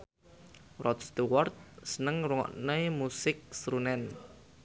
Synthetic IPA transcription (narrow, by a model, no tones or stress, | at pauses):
rʔɔt̪st̪uwɔrt̪̚sənəŋruŋɔ̰ʔnəmusɪk̚sɾunɛn